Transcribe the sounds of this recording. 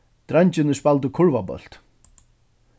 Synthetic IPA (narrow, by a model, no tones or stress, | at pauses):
t̪ɾajɲt͡ʃɪnɪspalt̪̬ʏkʰʊɹvabœ̰l̥t̪